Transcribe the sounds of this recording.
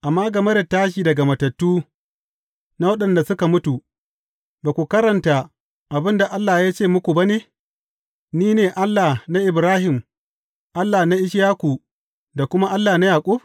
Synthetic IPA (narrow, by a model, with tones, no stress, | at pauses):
ʔa˨mːaː˦ɡɐ˨mɐ˦dɐ˨taː˦ʃ̬iː˨dɐ˨ɡa˨mɐ˨tɐ˨tːuː˦ | na˦wɐ˦ɗɐ˨nda˨sʊ˦ka˨mʊ˦tu˨ | baː˨kʷu˨kɐ˦ɾɐ˨nta˨ | ʔa˨bɪ˦nda˨ʔa˦lːaː˨jaː˦t͡ʃeː˦˨mʊ˦kʷu˨ba˦neː˦ | niː˦neː˨ʔa˦lːa˨na˦ʔɪ˨bɾaː˦hɪ˨m | ʔa˦lːaː˨na˦ʔɪ˦ʃjaː˦kʷu˨ | da˨kʷʊ˦ma˦ʔa˦lːaː˨na˦jaː˨kʷʼʊ˦b